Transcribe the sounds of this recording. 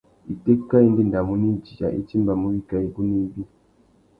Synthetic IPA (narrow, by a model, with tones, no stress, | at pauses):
i˨te˦kːa˦i˦ndi˦nda˨mu˨˦ni˦d͡ʒi˨a̰˨ʔḭ˦t͡ʃi˦mba˨mu˦ɾi˦ka˨i˨ku˦ni˦bi˦